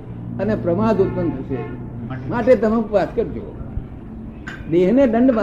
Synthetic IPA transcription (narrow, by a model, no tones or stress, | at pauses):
ənepɾəʋaːd̪ut̪̚pənt̪ʰəʃḛ | maʈet̪əmə̃kpat̪kəɾd͡ʒo̰ | d̪eːɦneɖəɳɖba